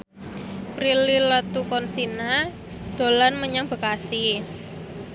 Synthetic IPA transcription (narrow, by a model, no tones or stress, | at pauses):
pɾililət̪ukɔnsina | d̪̥o̤lanməɲaŋb̥ə̤kasi